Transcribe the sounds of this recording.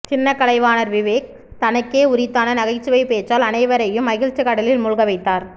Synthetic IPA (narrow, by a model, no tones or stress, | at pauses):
t͡ʃɪnːɐkːɐlɐɪʋaːnɐɾʋɪʋeːk̚ | t̪ɐnɐkːeːʊɾɪt̪ːaːnɐnɐɣɐɪt͡ʃːɯʋɐɪpeːt͡ʃːaːlɐnɐɪʋɐɾɐjɯmːɐɣɪɻt͡ʃːɯkɐɽɐlɪlmʊɻʊɣɐʋɐɪt̪ːaːɾ